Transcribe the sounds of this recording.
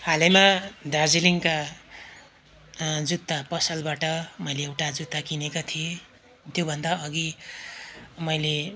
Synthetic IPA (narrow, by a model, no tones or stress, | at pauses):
halemad̪ad͡ziliŋka | d͡zut̪ːapʌsʌlbaʈʌmʌjleewʈad͡zut̪ːakinekat̪ʰie | t̪jobʱʌnd̪aʌɡi | mʌjle